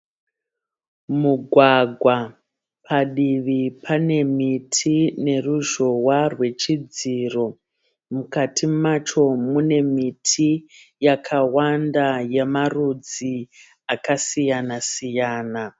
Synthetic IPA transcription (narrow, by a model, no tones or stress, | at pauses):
muɡʱwaɡʱwa | pʰaɗiʋipʰane̞mitʰine̞ruʒo̞warwe̞t͡ʃid͡ziro̞ | mukatʰimat͡ʃo̞mune̞mitʰi | jakʰawandaje̞marud͡zi | akasijanasijaːna